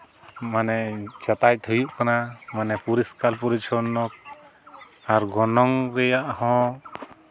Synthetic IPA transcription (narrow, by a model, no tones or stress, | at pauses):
manɛt͡ʃat̪aj̚t̪ʰəjuʔkanamanɛpuɾiskalpuɾit͡ʃʰɔnːɔk̚ | aɾɡɔnɔŋɾɛjaʔhɔ̃